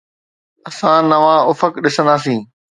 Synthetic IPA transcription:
ɐsãnɐʋãːʊfəkɗɪsə̃nd̪aːsĩː

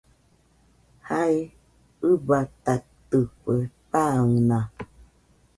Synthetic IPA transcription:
hai | ɯbat̪at̪ɨpepaŋunã

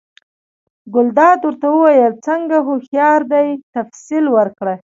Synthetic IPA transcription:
ɡʊld̪ɑd̪wəɾt̪awəwajəlt͡səŋɡaɦoxjɑɾd̪ajt̪afsilwəɾkɽə

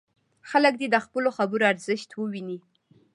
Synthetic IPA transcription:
xalək̚d̪ed̪əxpəloxabəɾoaɾzəʃt̪wəwini

